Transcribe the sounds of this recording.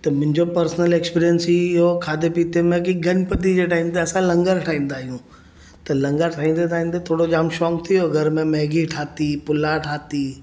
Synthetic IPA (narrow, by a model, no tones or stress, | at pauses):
t̪ɐmʊ̃ɦɪ̃ɲd͡ʑopɐɾsnəleːkspiːɾijənsiɦokʰaːd̪epiːt̪emẽkiɡʱɐnpət̪id͡ʑeʈaːɪmt̪eɐsãlɐ̃ŋɡəɾɦɐʈʰaːĩːn̆d̪aːɦijũː | t̪ɐlɐ̃ŋɡəɾʈʰaːĩnd̪et̪ʰaːĩːnd̪et̪ʰoːɽod͡ʑaːmʃɔːkt̪ʰijoɐɡəɾmẽmɛɦɡiʈʰaːt̪ipʊlãʈʰaːt̪i